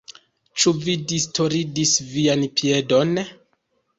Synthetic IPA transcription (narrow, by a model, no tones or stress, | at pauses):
t͡ʃuvidistʰo̞ɾidisvianpʰie̞do̞n